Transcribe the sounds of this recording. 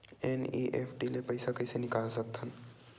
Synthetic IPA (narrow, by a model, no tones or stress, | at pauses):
ɛniʔeːpʰʈilepɐɪsakɐɪsenɪkaːlsɐk̚t̪ʰən